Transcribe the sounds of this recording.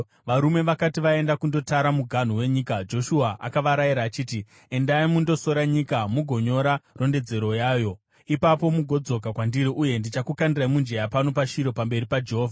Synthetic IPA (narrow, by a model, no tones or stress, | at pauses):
ʋaɾume̞ʋakatiʋae̞ndakundo̞taɾamuɡʱan̤uwe̞ɲiːkad͡ʒo̞ʃuaʔa̰kaʋaɾajiɾaːt͡ʃiːti | e̞ndaimundo̞so̞ɾaɲikamuɡʱo̞ɲo̞ɾaro̞nde̞d͡ze̞ɾo̞jaːjo̞ | ipapo̞muɡʱo̞d͡zo̞k̬akwandiɾiʔuje̞ndit͡ʃakukandiraimund͡ʒe̞japano̞paʃiɾo̞pambe̞ɾipad͡ʒe̞ɦoːvʱa